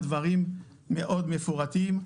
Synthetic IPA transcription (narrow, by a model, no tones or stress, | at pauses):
d̪vaʁimː | eʔo̞d̪mefuʁat̪im